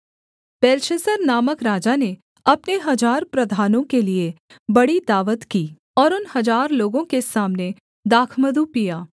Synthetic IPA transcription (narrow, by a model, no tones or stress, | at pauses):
pɛːɾʃəsəɾnaːməkɾaːd͡ʒane | ɐpneɦɐzaːɾpɾɐd̪ʱaːnõkelie | bɐɽid̪aːʋət̪kiː | ɔːɾʊnɦɐzaːɾloːɡõkesaːmne | d̪aːkʰməd̪ʱupijaː